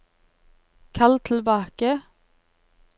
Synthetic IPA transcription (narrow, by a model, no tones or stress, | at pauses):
kʰɑlt̪ʰl̩bɑːkə